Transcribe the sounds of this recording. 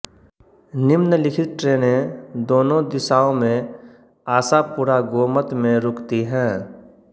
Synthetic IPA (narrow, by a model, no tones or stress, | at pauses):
nɪmnəlɪkʰɪt̪̚ʈɾeːnẽd̪oːnõd̪ɪsaːõmẽ | aːsapuːɾaɡoːmət̪mẽɾʊkt̪iɦɛ̃ː